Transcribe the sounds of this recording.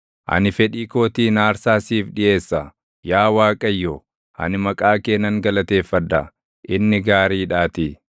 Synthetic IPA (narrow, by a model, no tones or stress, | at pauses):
ʔɐ̰nɪfɛᶑiːko̞ːt̪iːnaːɾsaːsiːfɗɪʔe̞ːsːɐ | jaːwaːkʼɐjːo | hɐ̰nɪmɐkʼaːke̞ːnːɐŋɡɐlɐt̪e̞ːfːɐd̪ːɐ | ʔɪnːɪɡaːɾiːᶑaːt̪ɪ